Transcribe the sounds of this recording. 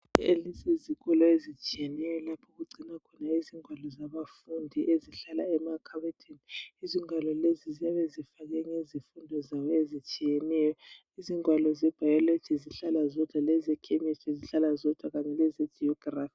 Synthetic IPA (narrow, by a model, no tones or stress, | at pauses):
elisiziɣɔlɔezit͡ʃʼijenɛjɔlapʰɔɣuɡ͡ǀʱinakʰɔnaiziŋwalɔzaβafundʱiʔeziɬalaɛmakʰaβɛtʰeniiziŋwalɔlezizɛβɛzifaɣ̬ɛŋezifundʱɔzawɔezit͡ʃʼijenɛjɔ | iziŋwalɔzɛb̥ʱajɔle̥t͡ʃʰiziɬalazɔd̥ʱwalɛzɛkʰɛɲɛt͡ʃʰiziɬalazɔd̥ʱwakaɲɛlɛzɛd͡ʒ̥iɔɡ̥raːfi